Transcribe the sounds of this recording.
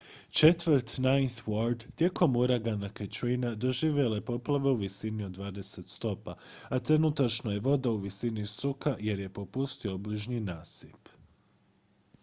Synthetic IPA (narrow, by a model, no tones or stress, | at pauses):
t͡ʃe̞t̪ʋəɾt̪najswoɾd̪t̪je̞ko̞muɾaɡanaket͡ʃɾinad̪o̞ʒiːʋje̞lepo̞plˠaʋe̞uʋisinio̞d̪d̪ʋaːd̪e̞se̞t̪st̪o̞paat̪ɾe̞nut̪at͡ʃno̞je̞ʋo̞d̪auʋisinisɾukʰaje̞ɾje̞po̞pust̪io̞bliʒninaːsip